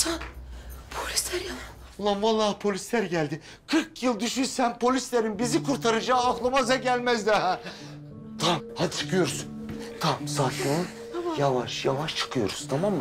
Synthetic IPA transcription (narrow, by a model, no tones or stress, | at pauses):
t̪ʰa | pʰolʲislʲæɾja | lˠamvɑlˠːaːpʰo̞lʲislʲæɾɟælʲd̪i | kʰɯɾkjɯlˠd̪yʃyɾsænpʰo̞lʲislʲeɾinbizikʰuɾt̪ʰaɾɯd͡ʒaːklˠɯmazɛɟælʲmæzd̪ɛɦɛ | t̪ʰamhad̪t͡ʃʰɯ̥kʰɯjo̞ɾsunt̪ʰamsafu | javaʃjavaʃt͡ʃʰɯ̥kʰɯjo̞̰ɾu̥st̪ʰamamːɯ